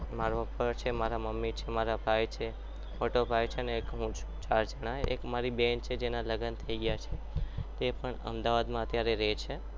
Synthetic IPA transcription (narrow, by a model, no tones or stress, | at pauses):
maɾəpəɾt͡ʃʰemaɾaməmːit͡ʃʰemaɾabʱajt͡ʃʰe | moʈobʱajt͡ʃʰeəneːkɦũt͡ʃʰũ̥t͡ʃaɾd͡ʒəɽ̃aḛkmaɾibent͡ʃʰed͡ʒenaləɡənt̪ʰəiɡəjat͡ʃʰe | t̪epəɳə̰md̪aʋad̪mãət̪jaɾeɾɛt͡ʃʰe